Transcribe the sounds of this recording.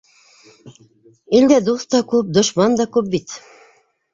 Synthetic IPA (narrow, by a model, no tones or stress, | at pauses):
ilʲd̪æd̪uθt̪ɑkʉp̚d̪ŏʃmɑnd̪ɑkʉp̚bit̪